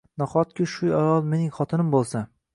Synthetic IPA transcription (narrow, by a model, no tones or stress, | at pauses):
nɒqɒt̪̚kʲʰɪʃʊajɒlˠme̞nɪŋχɒt̪ʰɪnɪmbolˠsa